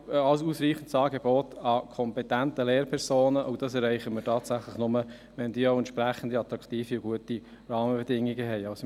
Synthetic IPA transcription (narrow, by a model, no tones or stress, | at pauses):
ɑlsusɾiːχən̩tsɑːɡebɔtɑkʰɔmpɛtæntəleːɾpʰɛɾsoːnəʔo̰ʊd̥ɑsɛɾɛɪχəmɪtʰɑːtsæχləχnʊmə | ʋɛnd̥iːoʊɛntʃpɾæχən̩d̪iɑt̪ɾɑktiːfiʊɡuəti | rɑːməbɛdɪŋːiɡəɦɛɪɑʊs